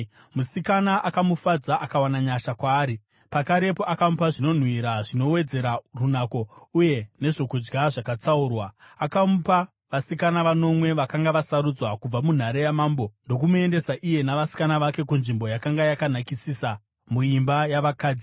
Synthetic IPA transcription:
musikanaʔakamufad͡zaʔakawanaɲaʃakwaːɾi | pakaɾe̞po̞ʔakamupaʐino̞n̤wiɾaʐino̞we̞d͡ze̞ɾarunako̞uje̞ne̞ʐo̞kud͡ʒɡaʐakat͡saurwaakamupa | ʋasikanaʋano̞mwe̞ʋakaŋɡaʋasaɾud͡zwakub͡vamun̤aɾejamaːmbo̞ndo̞k̬umue̞nde̞saʔije̞naʋasi̥kanaʋake̞kunʐimbo̞jakaŋɡajakanakisisa | muimbajaʋakaːd͡zi

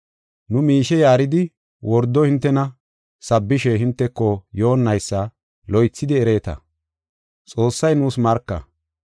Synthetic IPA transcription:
nʊmiːʃɛjaːɾɪd̪ɪ | wʔɔɾd̪ɔhɪnt̪ːɛnɐ | sɐbːɪʃɛɦɪnt̪ːɛkːɔjo̞ːnːɐjsːɐ | lɔjt͡sːɪd̪ɪɛɾe̞ːt̪ɐ̰ | t͡sʼo̞ːsːɐjnuːsmɐɾkːɐ̰

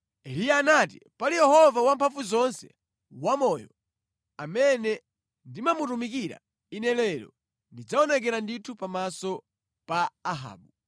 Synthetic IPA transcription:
ɛlijaːnat̬ḭpalijɛhɔvawampʰafuzɔnsɛ̥̰ | wamɔjɔ | amɛnɛ | ndimamutumik̬iɾa̰ | inɛlɛɾɔ̰ | ndid͡zaɔnɛk̬ɛɾanditʰupamasɔ | paːɦa̰ːɓu

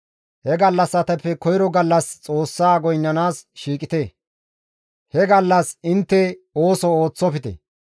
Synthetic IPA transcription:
hɛɡɐlːɐsːɐt̪ɐpːɛkɔjɪɾɔɡɐlːɐst͡sʼo̞ːsːaːɡɔjnːɐnaːsʃiːkʼɪt̪eː | hɛɡɐlːɐsɪnt̪ːɛoːsɔoːt͡sːɔpɪt̪ɛ̰

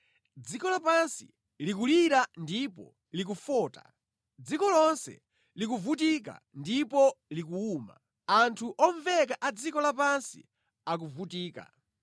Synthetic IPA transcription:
d͡zikɔlapansi | lik̬uliɾandipɔ̰ | lik̬ufɔːta̰ | d͡zikɔlɔnsɛ̰ | lik̬uvut̬ik̬a̰ | ndipɔlik̬uuːma̰ | antʰuʔɔɱvɛkaʔad͡zikɔlapansḭ | ak̬uvutiːka̰

